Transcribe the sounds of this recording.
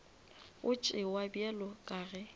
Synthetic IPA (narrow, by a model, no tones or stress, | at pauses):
ʊt͡ʃʼɪwabjɛlɔkʼaːɣɛ